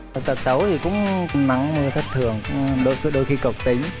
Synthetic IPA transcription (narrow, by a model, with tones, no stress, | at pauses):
t̪ə˨˩t̚sə˧˦wt̪ʰi˨˩kʊ̰˧˥ŋ͡mna̰˧˨ŋmu˧t̪ʰa˦˥k̚t̪ʰɨ˨˩əŋɗo˧˨˦ɗo˧jxi˧ko˨˩k͡p̚t̪i˨˦m